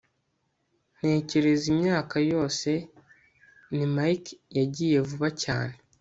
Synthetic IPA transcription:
n̥e̞ːce̞ɾe̞zimɲaːkajo̞ːse̞ | nimajkjaɟiːje̞vuβaca̰ːne

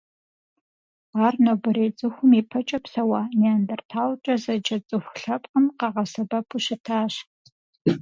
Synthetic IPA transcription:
aːrnobɨɾeːt͡sʼɨxʷʊmiːpʰɐt͡ʃʼɐpsɐwaːneandɐrtʰaːwt͡ʃʼɐzɐd͡ʒɐt͡sʼɨxʷɬɐpʼqəmqɑʁɐsɐbɐpʰuɕɪtʰaːɕ

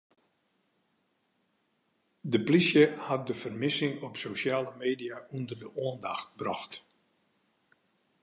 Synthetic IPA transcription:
dəplisjəhat̚dəfərmɪsɪŋɔpsowʃjaːləmeːdijaʔundərdəoəndaxt̚brɔxt

